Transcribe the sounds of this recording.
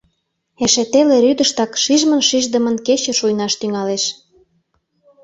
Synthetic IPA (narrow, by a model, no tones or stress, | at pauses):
eʃet̪eleɾyd̪əʃt̪ɑkʃiʒmənʃiʒd̪ə̆mə̆nket͡ɕə̆ʃujnɑʃt̪yŋɑleʃ